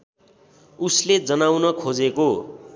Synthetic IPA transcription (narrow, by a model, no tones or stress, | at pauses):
usled͡zʌnawnʌkʰod͡zeko